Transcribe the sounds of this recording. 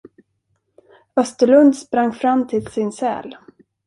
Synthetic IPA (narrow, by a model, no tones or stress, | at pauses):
œst̪əɭɵnd̪spɾaŋːfɾamːt̪ʰɪlsɪnsɛ̰ːl